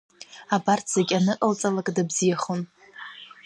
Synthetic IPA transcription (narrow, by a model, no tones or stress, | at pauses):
abartʰz̥aɡʲanɨʔʼəlt͡sʼalakʼdabzijaχon